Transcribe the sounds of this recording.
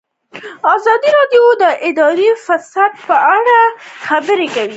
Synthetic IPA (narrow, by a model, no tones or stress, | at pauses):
ɑzɑd̪iɾɑɖjod̪əʔɪd̪ɑɾifasad̪̚pəaɽaxabəɾekawi